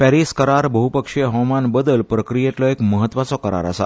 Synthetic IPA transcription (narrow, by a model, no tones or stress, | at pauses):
pɛɾiskəɾaɾbəɦupəkʂeɦɔmanbəd̪əlpɾəkɾijet̪lɔekməɦət̪ːʋat͡sɔkəɾa̰ɾa̰sa̰